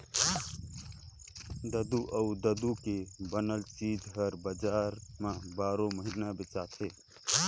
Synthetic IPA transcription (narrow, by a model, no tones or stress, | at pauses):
d̪əd̪uʔəud̪əd̪ukebənəlt͡ʃid͡ʒɦəɾbəd͡ʒaːɾmãbaːɾõməɦinabɪt͡ʃaːt̪ʰɦe